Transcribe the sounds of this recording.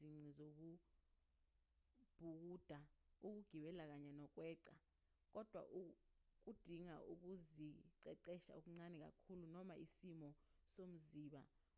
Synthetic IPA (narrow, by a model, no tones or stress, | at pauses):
iŋ͡ǀʱizok̬u | b̥ʱuk̬uːd̥ʱauk̬uɡ̥ʱiɓɛlak̬aɲɛnɔk̬ʼwɛːǀa | k̬ʼɔd̥ʱwa̰ʔuk̬ud̥ʱiŋa̰ʔuk̬uziǀɛǀɛʃa̰ok̬uŋ͡ǀanɛk̬ʼa̰kʰulunɔmaʔisimɔsom̩ziːɓa̰